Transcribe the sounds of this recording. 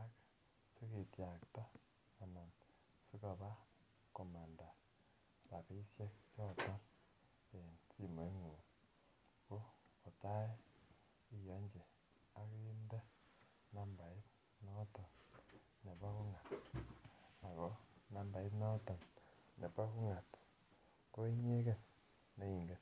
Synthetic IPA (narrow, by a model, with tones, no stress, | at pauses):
a˦k | si˦ke˨tja˨ktɔ˦ | a˨na˨n | si˦ka˨ba˦ | ko˨ma˨nda˨ | ɾa˨pi˦sje˦k̚t͡ʃɔ˦˨tɔ˦n | e˨nsi˦mo˨˦ŋu˨ | ko˦o˨t͡ʃa˦ | i˦jo˨˦ɲd͡ʒe˨ | a˦kiː˦nde˦ | na˦mba˨i˦t | no˦to˨n | ne˨βa˦ku˦ŋa˨t | a˨ɣo˨˦na˨mba˨i˦no˦to˨n | ne˨pa˦ku˦ŋa˨t | to˦i˦ɲe˦ke˦n | ne˦i˨ŋɡe˨